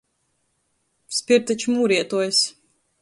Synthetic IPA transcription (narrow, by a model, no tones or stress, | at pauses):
spʲiɾt̪at͡ʃmuːɾiɛt̪uɔjs